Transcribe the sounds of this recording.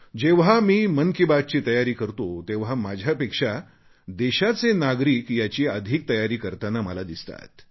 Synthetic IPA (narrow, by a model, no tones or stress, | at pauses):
d͡ʑeʋɦamiːmənkibad̪̚t͡ɕiːt̪əjaɾiːkəɾt̪ot̪eʋ̤ɦamad͡ʑʱjapekʂa | d̪eɕat͡senaɡɾiːkjat͡ɕiːəd̪ʱiːk̚t̪əjaɾiːkəɾt̪anaməlad̪ist̪a̰t̪̚